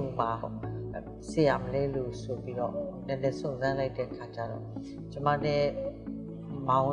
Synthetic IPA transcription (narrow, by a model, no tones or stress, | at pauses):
ma | sejaməlɛlosopiɾɔ̰nɛ̃nɛsõʊ̃nzãlaɪtʰɛʔəkʰat͡ɕaɾɔ̰ | t͡ɕəma̰nɛ | mãʊ̃